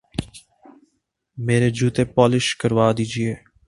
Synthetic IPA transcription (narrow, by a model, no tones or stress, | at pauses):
meːɾed͡ʒuːt̪epɔːlɪʃkəɾʋaːd̪iːd͡ʒieː